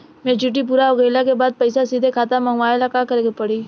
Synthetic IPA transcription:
mẽːd͡ʒuʈ̬ip̬uːɾaʊɣəjlakebaːd̪̚pɐɪsasiːd̪ʱekʰaːt̪amɐŋʋaːelakakəɾkepəɽiː

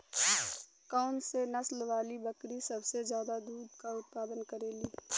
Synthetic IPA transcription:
kaʊnsenɐslʋaːlibɐkɾisɐbsezjaːd̪ad̪uːd̪kaʊt̪̚paːd̪ənkɐɾeːliː

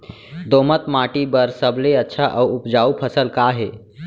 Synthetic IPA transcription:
d̪omət̪maʈibəɾsəbleətːʃʰaʔawupd͡ʒaupʰəsəlkaɦe

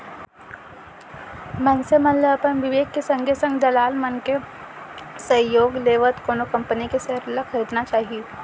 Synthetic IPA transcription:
mənsemɐnleɐpənʋɪʋeːkːesɐ̃ŋɡʱesɐ̃ŋɡd̪ɐlaːlmənke | sɐ̃joːɡleːʋət̪koːnokɐ̃mpənikeseɾlakʰɐɾiːd̪nat͡ʃaːɦie

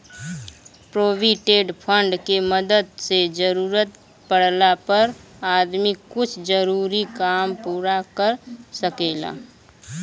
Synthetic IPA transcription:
pɾoːbiʈeːɖpʰə̃ɳɖkeməd̪əd̪sed͡ʒəɾuːɾət̪ | pəɽ̤lapəɾ | aːd̪miʊt͡ʃʰd͡ʒəɾuːɾikaːmpuːɾakəɾsəkeːla̰ː

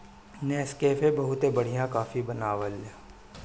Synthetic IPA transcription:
nɛːskeːfebɐɦʊt̪ebɐɽ̤ijãkaːfibɐnaːʋəlː

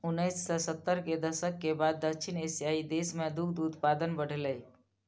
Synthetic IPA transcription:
unːəsːɔsət̪ːəɾked̪əʃəkːebad̪ːəkʃʰinesijaid̪esmẽd̪ukʰd̪ut̪pad̪ənbəɽ̤eləi

